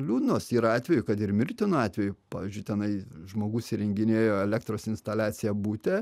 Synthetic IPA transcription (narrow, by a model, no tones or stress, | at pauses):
lʲuːd̪noːsiːɾɐɑːt̪ʲʋʲɛjʊkɐt̪ɪɾmʲɪrʲt̪ʲɪnʊɑːt̪ʲʋʲɛjʊpɑ̰ːʋʲiːzʲd͡ʒʲʊɪt̪ʲɛnɐɪʒmoːɡuːsʲɪɾʲɛŋʲɡʲɪnʲeːjoːɛlʲɛkt̪ɾoːsɪnst̪ɐlʲæːsʲɪjɛbuːt̪ʲɛ